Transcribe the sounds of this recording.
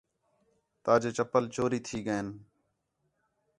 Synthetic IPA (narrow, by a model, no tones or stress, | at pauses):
t̪aːd͡ʒeːt͡ʃəpəlt͡ʃoːɾiːt̪ʰiːɡəeːn